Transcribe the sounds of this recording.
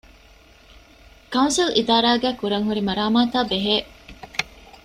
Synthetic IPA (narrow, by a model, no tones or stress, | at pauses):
kɐũnsilid̪aːɾaːɡæːkuɾɐŋɦuɾimɐɾaːmaːt̪aːbeɦeː